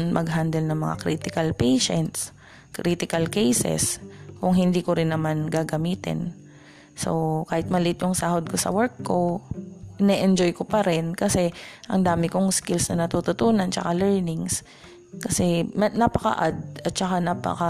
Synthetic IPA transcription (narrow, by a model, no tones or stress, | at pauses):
mɐ̰ɡ̚ɦand̪ɛlnɐŋmɐŋa̰kɾiːt̪ɪkɐlpejʃɛnt̪s | kɾit̪ɪkɐlkɛjsɛ̰skʊŋɦɪnd̪iːkoɾɪnːɐmanɡaːɡɐmiːt̪ɛ̰n | so̰wkaːhɪt̪̚mɐlɪt̪jʊŋsaːhod̪̚kosɐ̰wɛɹkːoʔɪnɛʔɛnd͡ʒojkopɐɾɛnkɐsɛʔɐŋd̪aːmɪkoŋskɪlsnɐnɐt̪ut̪ʊt̪uːnɐnt͡ʃɐ̰kalɛɹnɪŋs | kɐsɛmnɐpɐkɐ̰ʔad̪̚ɐt̪̚t͡ʃɐkanapɐ̰ka